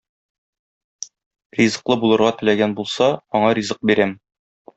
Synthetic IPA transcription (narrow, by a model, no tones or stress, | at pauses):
rizɤ̆qlˠɤbulˠɤ̆ɾʁɑt̪ɘ̆læɡænbulˠsɑɒɴɑɾʲizɤq̚biɾæm